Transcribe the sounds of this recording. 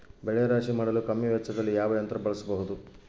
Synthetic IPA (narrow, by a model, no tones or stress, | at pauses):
bɛɭɛjɐɾaːʂimaːɽɐlukɐmːjɐʋjɐt͡ʃːɐd̪ɐlːijaːʋɐjɐnt̪ɾɐbɐɭɐsɐbɐɦud̪u